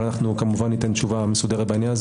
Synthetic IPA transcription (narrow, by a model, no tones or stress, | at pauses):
anaχnukamuvanːit̪ent͡ʃuvamesud̪ʁet̚beaniaz